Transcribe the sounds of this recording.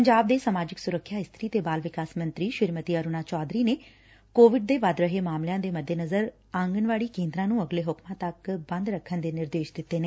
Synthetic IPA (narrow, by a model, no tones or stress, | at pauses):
pəɲd͡ʒaːb̚d̪eːsəmaːd͡ʒɪksʊɾəkʰːjaːɪst̪ʰɾiːt̪eːbaːlʋɪkaːsmə̃nt̪ɾiːʃɪɾmət̪iːəɾʊnaːt͡ʃɔːd̪ɾiːneː | koːʋɪɖ̚d̪eːʋad̪ɾəɦeːmaːmljãːd̪eːməd̪ʱːeːnəzəɾ | ãːŋɡənʋaːɽiːkẽːnd̪ɾãːnũːəɡleːɦʊkmãːt̪əkbə̃nd̪ɾəkʰːənd̪eːnɪɾd̪eːʃd̪ɪt̪ːeːne